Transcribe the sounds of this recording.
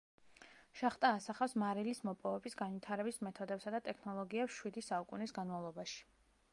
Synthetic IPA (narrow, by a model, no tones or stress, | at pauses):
ʃaχt̪ʼaːsaχafsmaɾilismɔpʼɔvɛbisɡanvit̪ʰaɾɛbismɛt̪ʰɔd̪ɛpsad̪at̪ʼɛkʰnɔlˠɔɡiɛpsʃwid̪isaukʼunisɡanmavlˠɔbaʃi̥